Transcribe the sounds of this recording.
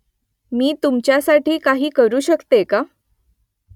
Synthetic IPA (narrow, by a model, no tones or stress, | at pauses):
miːt̪umt͡ɕjasaʈiːkaɦiːkəɾuːɕəkt̪eka